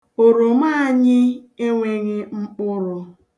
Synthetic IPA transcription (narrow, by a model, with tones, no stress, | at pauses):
o˨ɾo˨ma˦a˨ɲɪ˦e˦ŋʷe˦ɣɪ˦ŋ͡m̩˦k͡pʊ˦ɾʊ˨